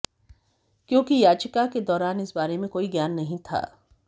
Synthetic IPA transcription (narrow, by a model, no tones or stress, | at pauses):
kjõːkijaːt͡ʃɪkaked̪ɔːɾaːnɪsbaːɾemẽkoːiɡjaːnːɐɦĩt̪ʰa̰ː